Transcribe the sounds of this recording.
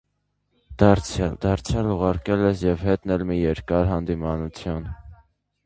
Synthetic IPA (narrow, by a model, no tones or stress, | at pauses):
d̪̥ɑɾt͡sʰd̪ɑɾt͡sʰjɑluʁɑɾkɛlɛsjɛvɦɛt̪nɛlmijɛɾkɑɾɦɑnd̪imɑnut͡sʰjun